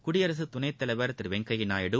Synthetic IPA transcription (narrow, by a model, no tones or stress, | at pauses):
kʊɽɪjɐɾɐsɯt̪ʊnɐɪt̪ːɐlɐʋɐɾt̪ɪɾʋɛŋkɐjɪnaːjɐɽɯ